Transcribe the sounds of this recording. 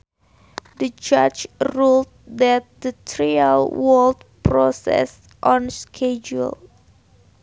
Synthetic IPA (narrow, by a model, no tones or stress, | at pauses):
d̪əd͡ʒat͡ʃɹult̚ | dɛt̚dətʰɹialwɔldpɹɔsɛ̰s | ʔɔ̃nskʰɛd͡ʒṵl